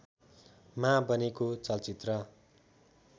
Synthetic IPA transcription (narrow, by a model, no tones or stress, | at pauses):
mãbʌnekot͡sʌlt͡sit̪rʌ